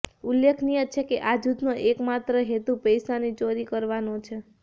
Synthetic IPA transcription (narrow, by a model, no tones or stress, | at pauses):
ulːekʰnijət͡ʃʰekeʔad͡ʒud̪noʔekmat̪ɾəɦet̪upəjsanit͡ʃoɾikəɾʋanot͡ʃʰe